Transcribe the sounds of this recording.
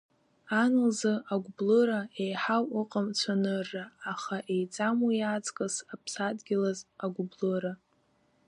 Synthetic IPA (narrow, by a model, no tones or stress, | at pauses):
anɨlzɨaɡʷblɨɾaejħawɨqʼamt͡ɕʷʰanɨrːaːχaʔe̞jt͡sʼamujat͡sʼkʼɨsapʰsadɡʲɪlazaɡʷʊblɨɾa